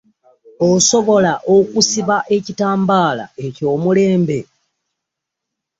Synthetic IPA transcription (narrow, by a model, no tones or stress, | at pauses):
oso̞βo̞laʔokusiβaʔe̞citaːmbaːla̰e̞co̞ːmule̞ːmbe̞